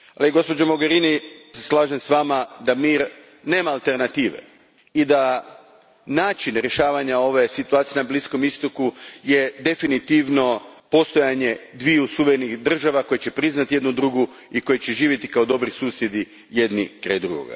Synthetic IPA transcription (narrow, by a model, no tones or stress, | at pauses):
aliɡo̞spo̞d͡ʑomo̞ɡe̞ɾiːniseslˠaːʒemsʋaːmad̪amiːɾ | ne̞ːmaːlˠt̪e̞ɾnat̪iːʋḛ | id̪a | naːt͡ʃinɾje̞ʃaːʋaɲao̞ʋe̞sit̪uaːt̪ijenablisko̞mist̪okuje̞d̪e̞finit̪iːʋno̞po̞st̪o̞jaɲe̞d̪ʋiusuʋeɾenixd̪r̩ʒaʋako̞jet͡ɕe̞pɾiznat̪ije̞d̪nud̪ɾuɡu | iko̞jet͡ɕe̞ʒiːʋjet̪i̥kaod̪o̞bɾisuːsje̞d̪i | je̞d̪nikɾa̰jd̪ɾṵɡo̰ɡa̰